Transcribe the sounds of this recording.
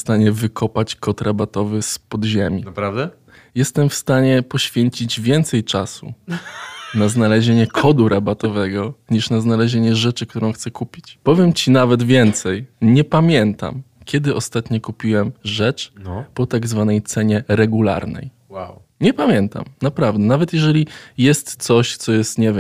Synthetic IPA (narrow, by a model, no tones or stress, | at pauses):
st̪aɲɛvɘkʰɔpat͡ɕkɔt̪ɾabat̪ɔvɘspɔd̪ʑemʲinapɾavd̪ɛ | jɛst̪ɛmfst̪aɲɛpɔɕfʲjeɲt͡ɕid͡ʑvʲjɛnt̪sɛjt͡ʂasṵ | naznalɛʑeɲɛkʰɔd̪uɾʔabat̪ɔvɛɡɔɲiʂnaznalɛʑeɲɛʐɛt͡ʂɘk̚t̪uɾɔ̃w̃xt̪sɛkupʲit͡ɕpɔvʲjɛmt͡ɕinavɛt̪vʲjɛnt̪sɛjɲɛpamʲjɛnt̪a̰mkʲɛd̪ɘʔɔst̪at̪ɲɔkupʲiwɛmʐɛt͡ʂpɔt̪aɡzvanɛjt̪sɛɲɛɾɛɡula̰ɾnɛ̰j | waw | ɲɛpamʲjɛnt̪a̰mnapɾavd̪ɛnavɛt̪jɛʐɛlʲijɛst̪sɔɕt̪sɔjɛst̪ɲɛvʲjɛm